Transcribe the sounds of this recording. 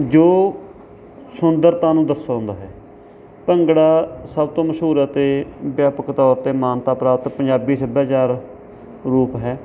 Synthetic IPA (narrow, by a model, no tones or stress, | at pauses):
d͡ʒoː | sʊnd̪əɾt̪ãːnũːd̪əsːaːɦʊ̃ːnd̪aːɦɛː | pəŋɡɽaːsəb̚t̪õːməʃɦuːɾaːt̪eːbjaːpəkt̪ɔːɾt̪eːmaːnt̪aːpɾaːt̪pəɲd͡ʒaːbiːsəbaːd͡ʒaːɾ | ɾuːpɦɛː